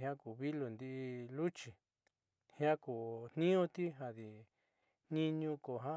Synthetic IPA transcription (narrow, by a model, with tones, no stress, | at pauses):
ɦã˦ku˨βi˦lo˨nd̪i˧ʔi˧lu˦t͡ʃi˨ | hjã˦ku˨n̥nĩ˦õ˦t̪i˦ɦa˧ði˨ | nĩ˦ɲũ˧ko˨ɦã˦